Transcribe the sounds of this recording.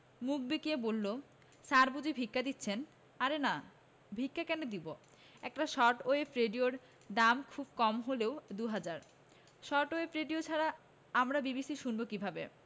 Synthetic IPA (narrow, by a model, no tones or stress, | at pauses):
muk̚bikiebolːo | saɾbud͡ʑibʱikːad̪itːɕʰen | aɾena | bʱikːakɛnod̪ibo | ɛk̚ʈaʃɔʈoepɾeɖioɾ | ɖamkʰubkɔmɦoleod̪uɦad͡ʑaɾ | ʃɔʈoefɾeɖiot͡ɕʰaɾa | amɾabibisiʃunbokibʱabḛ